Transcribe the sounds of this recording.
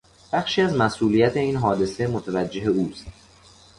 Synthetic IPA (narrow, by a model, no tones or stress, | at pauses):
b̥æxʃiːæzmæsʔuːlijæt̪ʰe̞iːnɦɒːd̪e̞semot̪ʰævæd͡ʒːe̞ɦeuːst̪